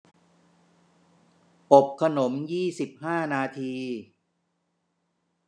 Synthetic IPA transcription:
po˨˩p̚kʰa˧no˩˦mjiː˥˩si˨˩p̚haː˥˩naː˧t̪ʰiː˧

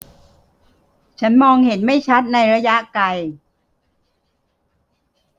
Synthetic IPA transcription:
t͡ɕʰa˦˥nmɔː˧ŋhe˩˦nma˥˩jt͡ɕʰa˦˥t̪̚na˧jɾa˧ja˦˥ʔka˧j

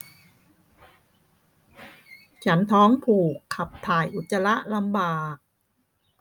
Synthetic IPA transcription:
t͡ɕʰa˦˥nt̪ʰɔː˦˥ŋpʰuː˨˩kʰːa˨˩p̚t̪ʰaː˨˩jʔu˨˩t̪̚sa˧la˦˥ʔla˧mbaː˨˩k̚

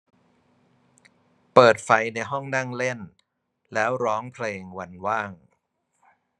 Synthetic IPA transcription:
pɤː˨˩t̪̚fa˧jna˧jɦɔ˥˩ŋna˥˩ŋle˥˩n | lɛː˦˥wɾɔː˦˥ŋpʰleː˧ŋwa˧nwaː˥˩ŋ

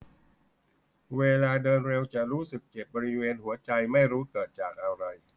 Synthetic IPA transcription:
weː˧laː˧dɤː˧nɾe˧wt͡ɕa˨˩ɾuː˦˥sɯ˨˩k̚t͡ɕe˨˩p̚bɔː˧ɾi˦˥weː˧nɦu˩˦ɐt͡ɕa˧jma˥˩jɾuː˦˥kɤː˨˩t̪̚t͡ɕaː˨˩k̚ʔa˧ɾa˧j

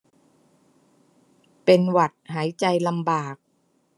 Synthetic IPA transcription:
pe˧nwa˨˩t̪̚haː˩˦jt͡ɕa˧jla˧mbaː˨˩k̚

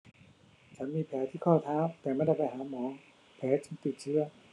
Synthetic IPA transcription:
t͡ɕʰa˦˥nmiː˧pʰɛː˦˥t̪ʰiː˥˩kʰɔː˥˩t̪ʰaː˦˥˩m̚t̪ɛː˨˩ma˥˩˨da˥˩jpa˧˩jɦaː˩˦mɔː˨˦ŋ | pʰɛː˨˦˥t͡ɕɯ˧˥ŋt̪i˨˩t̪̚t͡ɕʰɯ˦˥ɐ

